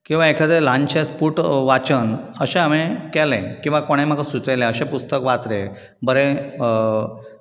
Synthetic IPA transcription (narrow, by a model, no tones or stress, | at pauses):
kĩw̃ʋaekʰəd̪elãɲt͡ɕẽspuːʈʋat͡ɕənəɕɛ̃amẽkɛlɛ̃kĩw̃ʋakoɽ̃ẽm̤akasut͡sejlɛ̃əɕɛ̃pust̪əkʋat͡sɾẽ | bəɾe